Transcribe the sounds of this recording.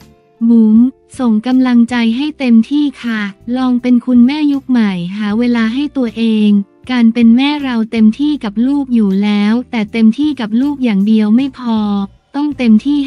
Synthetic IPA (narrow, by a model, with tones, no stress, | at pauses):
bu˩˦m | so˨˩ŋka˧mla˧ŋt͡ɕa˧jɦa˥˩jt̪e˧mt̪ʰiː˥˩kʰa˥˩lɔː˧ŋpe˧nkʰu˧nmɛː˥˩ju˦˥k̚ma˨˩jɦaː˩˦weː˧laː˧ɦa˥˩jt̪u˧ɐʔeː˧ŋ | kaː˧npe˧nmɛː˥˩ɾa˧wt̪e˧mt̪ʰiː˥˩ka˨˩p̚luː˥˩p̚juː˨˩lɛː˦˥wt̪ɛː˨˩t̪e˧mt̪ʰiː˥˩ka˨˩p̚luː˥˩k̚jaː˨˩ŋdi˧əwma˥˩jpʰɔː˧ | t̪ɔ˥˩ŋt̪e˧mt̪ʰiː˥˩